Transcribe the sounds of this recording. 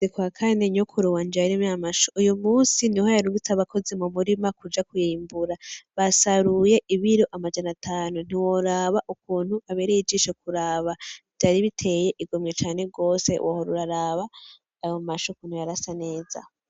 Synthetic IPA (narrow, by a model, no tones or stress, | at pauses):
ikwakʰaneɲokʰuɾuwand͡ʒaɾimjamaʃoujumuːsinihojaɾuɡit͡saβakʰo̞zimumuɾimakud͡ʒakujiːmbuɾaβasaɾuje̞ʔiβiɾoʔamad͡ʒanatʰaːnun̥iwo̞ɾaβaʔukuːnhuaβe̞ːɾejid͡ʒiʃok̚uɾaβavdaɾiβitʰe̞je̞ʔiɡomɲet͡ʃaːne̞ɡo̞ːsḛwohoɾṵɾaɾaβaː | jomaʃokuːn̥hujaɾasane̞ːza̰